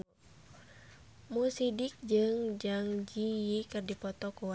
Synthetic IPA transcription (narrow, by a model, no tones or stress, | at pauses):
musidik̚d͡ʒɨŋd͡ʒaŋd͡ʒijikɨrdipɔt̪ɔkuwa